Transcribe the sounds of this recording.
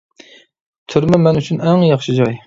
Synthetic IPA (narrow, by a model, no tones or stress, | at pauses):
t̪ʰyɾmɛmɛnyt͡ʃʰynɛŋjɑχʃid͡ʒɑj